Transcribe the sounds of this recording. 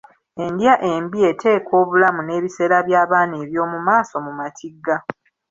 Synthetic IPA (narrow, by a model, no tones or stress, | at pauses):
e̞ndjaʔe̞mbie̞tʰe̞ːko̞ːβulamune̞ːβise̞ːɾaβjaːβaːneːβjo̞ːmumaːso̞mumatʰiɡːa